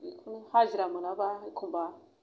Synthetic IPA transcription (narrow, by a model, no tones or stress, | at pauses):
ikunhaʒiɾamənabaikʰumba